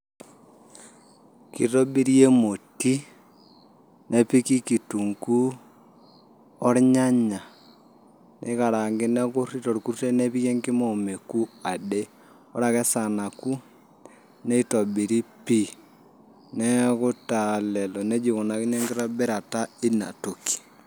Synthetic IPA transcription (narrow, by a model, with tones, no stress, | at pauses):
ki˨ɾo˦bi˦ɾje˦mo˨ti˦ | nʔɛ˦pi˦ki˦ki˨tu˨ŋku˦ | ɔ˦ɾɲa˦ɲa˨ | nʔɛ̰˦ka˨ɾa˨ŋɡɪ˦nɛ˦ku˦ri˦tɔ˨ɾku˦ɾte˦ne˦βi˦je˦ŋɡɪ˦mo˨me˨ku˦a˨de˦ | o˦ɾa˨ɣɛ˦sa˨na˨ku˦ | nɛ˦i˦tɔ˨bi˨ɾi˦pi˦ | nɛ˦kʊ˦ta˨lɛ˨lɔ˨nɛ˦d͡ʒi˨ɣo˨na˨ki˦ɲɛ˦ŋɡɪ˦ɾɔ˦bɛ˦ɾa˨ta˦i˦na̰˨to˨ki̥˨